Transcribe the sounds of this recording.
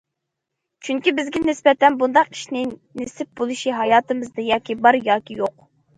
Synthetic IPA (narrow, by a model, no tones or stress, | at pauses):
t͡ʃʰyŋkʲibɪzɡʲɛnɪsbɛt̪ɛnbund̪ɑqi̥ʃnɪnesɪp̚bolˠuʃiɦɑjɑːt̪ɨmɨzd̪ɨjɑːkʲibɑɾjɑːkʲijoq